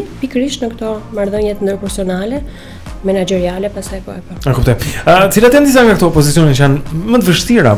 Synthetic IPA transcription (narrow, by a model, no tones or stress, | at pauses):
pikɾiʃnəkt̪ɔmaɾðəɲɛt̪ənd̪əɾpɛɾsiɔnalɛ | mɛnad͡ʒɛɾialɛpasajpɔ̰ɛpɔakupt̪ɔjt̪ə̥t͡silat̪jand̪is̬aŋɡakt̪ɔɔpɔzit͡siɔnɛt͡ʃəjanmət̪əvəʃt̪iɾa̰